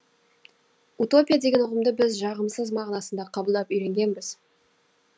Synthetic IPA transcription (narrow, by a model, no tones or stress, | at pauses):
ut̪o̞pʲijad̪e̞ɡʲenʊʁəmd̪əbɪzʒɑʁəmsəzmɑʁnɑsənd̪ɑqʰɑbəlˠd̪ɑpʏjɾe̞ŋɡʲe̞nbɪz̥